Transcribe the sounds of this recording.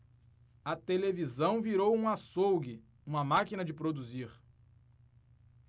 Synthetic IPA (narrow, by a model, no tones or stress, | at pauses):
ɐt̪elevizɐ̃w̃viɾowũasowɡɪ | ũmɐmakinɐd͡ʒɪpɾod̪uziɾ